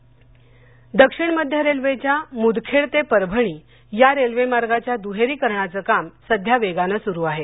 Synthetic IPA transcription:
d̪əkʂiɳməd̪ʱjəɾelʋet͡ɕjamud̪kʰeɭt̪epəɾbʱəɳ̃iː | jaɾelʋemaɾɡat͡ɕjad̪uɦeɾiːkəɾɳat͡səːkamsəd̪ʱjaʋeɡanəsuɾuːaɦe

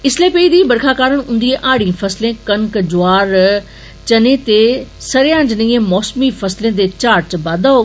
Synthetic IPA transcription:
ɪsleːpeːid̪ĩbɐɾkʰaːkaːɾəñɦʊ̃ːn̆d̪iẽʔaːɽ̤ĩfɐslẽkɐŋkd͡ʒʊaːɾ | t͡ɕɐnẽt̪esɐɾjãːd͡ʑnĩːẽmɔːsmifɐslẽd̪et͡ɕaːɾt͡ɕbaːd̪a

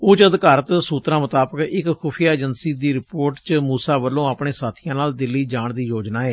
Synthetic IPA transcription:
ʊːt͡ʃəd̪kaːɾət̪suːt̪ɾãːmət̪aːbəkɪkxʊːpʰjaːd͡ʒənsiːd̪iːɾɪpoːɾʈt͡ʃmuːsaːbəlːõːaːpɳeːsaːt̪ʰɪjãːnaːld̪ɪlːiːd͡ʒaːɳd̪iːjoːd͡ʒnaːɛː

